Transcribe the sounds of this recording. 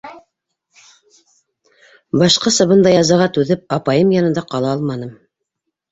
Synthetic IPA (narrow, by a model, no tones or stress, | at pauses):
bɑʃqɤsɤ̆βɤ̆nd̪ɑjɑzɑʁɑt̪ʉðɘp̚ɑpɑjɤmjɑnɤ̆nd̪ɑqɑlˠɑɑlˠmɑnɤm